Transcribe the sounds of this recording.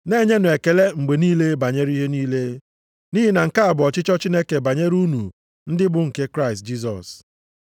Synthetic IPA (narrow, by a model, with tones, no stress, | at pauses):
ne˦˨ɲe˦nʊ˨e˨ke˨le˦ŋ͡m̩˨ɡ͡be˨niː˦le˦ba˨ɲe˦ɾi˦ɦe˦niː˦le˦ | ni˦ɦi˦na˨ŋ̩˨ka˦a˨bʊ˨ɔ˨t͡ʃɪ˦t͡ʃɔ˦t͡ʃi˦ne˦ke˨ba˨ɲe˦ɾu˦nu˨ | n̩˦dɪ˦bʊ˨ŋ̩˨ke˦kɾa˦ɪ˨st̚d͡ʒi˦s̬ɔ̰˨s